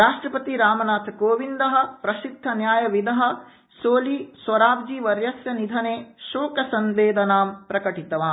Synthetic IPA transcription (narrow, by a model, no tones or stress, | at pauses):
ɾaːʂʈɾɐpɐt̪iɾaːmɐnaːt̪ʰɐkoːʋind̪ɐɦɐ̆pɾɐʃik̚d̪ʱːɐnjaːjɐʋid̪ɐɦɐ̆ | soːlisʋɐɾaːbd͡ʒiʋɐɾjɐsjɐnid̪ʱɐneːʃoːkɐsɐnʋeːd̪ɐnaːmpɾɐkɐʈit̪ɐʋaː